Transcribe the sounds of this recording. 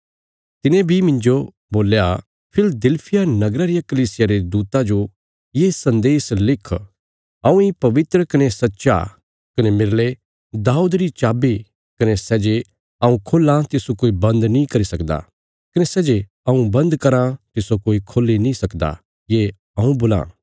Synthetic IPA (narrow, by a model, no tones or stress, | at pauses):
t̪ɪnẽbʱimɪ̃nd͡ʒo | boːlja | pʰɪld̪ɪlpʰɪjanɐɡɾaɾijakɐliːsɪjaɾed̪uːt̪ãd͡ʒo | jesɐ̃nd̪eːslɪkʰ | ɐũipɐʋɪt̪ɾəkɐnesɐtːʃa̰ | kɐnemɪɾle | d̪aːud̪ɾit͡ʃaːbi | kɐnesɛːd͡ʒe | ɐũkʰoːlãt̪ɪsokoːibɐ̃nd̪nĩkɐɾisɐkd̪a̰ | kɐnesɛːd͡ʒe | ɐũbɐ̃nd̪kɐɾãt̪ɪsokoːikʰoːlːinĩsɐkd̪a̰ | je | ɐũboːlã̰ː